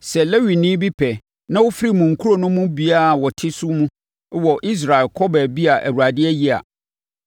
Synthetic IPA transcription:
sɛ˨lɛ˦wi˨nĩ˦bi˦pʰɛ˨ | nã˦wʊ˦fɪ˦ɾi˦mũ˨ŋ̩˨kʰu˦ɾo˨nʊ̃˦mũ˦bi˨a˦˨wɔ˨tʰɪ˦sʊ˦mũ˦ | wɔ˨ʔi˦s̬ɾa˨ɪ˨lkʰɔ˦bɛ˨bi˦a˨ʔæ˨wu˨ɾa˨dɪ˦ɛ˦ji˦a̰˨

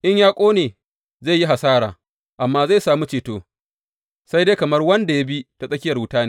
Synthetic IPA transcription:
ʔɪ˦ɲjaː˦kʷʼoː˦neː˨ | za˦˨ji˦ɦa˨saː˦ɽa̰ː˨ | ʔa˨mːaː˦za˦˨jsaː˨mu˦t͡ʃeː˨toː˦ | sa˦jde˦jkɐ˨mɐ˦rwɐ˦nda˨ja˦bi˦ta˨sʼɐ˦kʲɪ˦jɐ˨rwʊ˦taː˦ne˦˨

